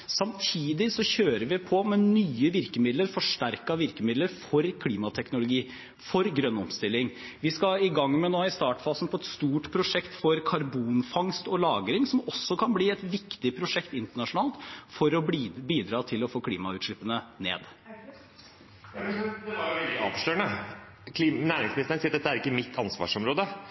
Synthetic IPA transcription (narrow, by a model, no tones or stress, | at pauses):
sɑmt̪ʰiːd̪ɪsɔçøːɾəʋɪpʰɔmɛnyːəʋɪɾkəmɪd̪ləɾfɔʂʈæɾkɑʋɪɾkəmɪd̪ləɾfɔɾkʰliːmɑt̪ʰɛknʊlʊɡiː | fɔɾɡɾœnːɔmst̪ɪlːɪŋʋɪskɑɪɡɑŋːmɛnoːɪst̪ɑːʈfɑːsnpʰɔɛt̪st̪uːʈpʰɾʊʂɛkt̪fɔɾkʰɑɾbuːnfɑŋst̪ɔlɑːɡɾɪŋsɔmɔsːɔkʰɑnbliːɛt̪ʋɪkt̪ɪpʰɾʊʂɛkt̪ɪnt̪əɳɑʂʊnɑːlt̪fɔɾɔbiːd̪ɾɑːt̪ʰɪlɔfoːkʰliːmɑʉːt̪ʂɭɪpːənənḛːd̪ | ɛld̪ɪɑ̰ːʋʂløːɳə | k̪ʰːnæːɾɪŋsmnɪst̪ɾənsiːd̪ɛt̪ːəæɾɪkːəmɪt̪ʰːɑnsʋɑ̰ːʂɔmɾoːd̪ə